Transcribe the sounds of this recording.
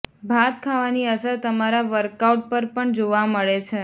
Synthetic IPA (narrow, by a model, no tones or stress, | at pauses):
bʱat̪kʰaʋaniəsəɾt̪əmaɾaʋəɾkauʈ̚pəɾpəɳd͡ʒoʋaməɭet͡ʃʰe